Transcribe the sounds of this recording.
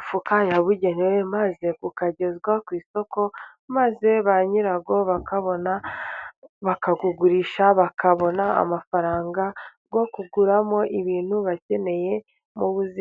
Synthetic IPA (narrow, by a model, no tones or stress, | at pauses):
fukajaβuɟe̞newemaze̞kukaɟe̞zɡwakwiːso̞ko̞ | maze̞βaɲiɾaɡo̞βakaβona | βakaɡuɡuɾiːʃaβakaβo̞naa̰mafaɾaːŋɡa | ɡo̞kuɡuɾamo̞ʔiβiːnhuβace̞ne̞je̞ | muβuzi